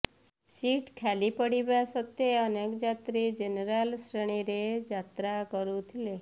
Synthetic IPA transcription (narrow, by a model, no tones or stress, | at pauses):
siʈkʰalipəɽibasət̪eənekd͡ʒat̪ɾid͡ʒenɾalsɾəɽ̃iɾed͡ʒat̪ɾakɔɾũt̪ʰile